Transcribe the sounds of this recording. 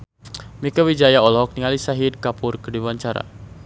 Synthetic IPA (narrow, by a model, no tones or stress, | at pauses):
mikawid͡ʒajaɔlɔk̚niŋalisaɦid̚kapʊrkədiwaɲt͡ʃaɾa̰